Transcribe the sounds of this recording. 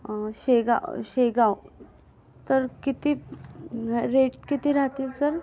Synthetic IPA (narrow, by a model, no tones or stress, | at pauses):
ɕeɡa̰ɕeɡaw | t̪əɾkit̪i | ɾeʈkit̪iːɾaɦt̪iːlsəɾ